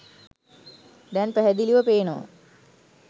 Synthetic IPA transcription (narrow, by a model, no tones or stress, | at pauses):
d̪ænpæɦæd̪iliʋəpeːno̰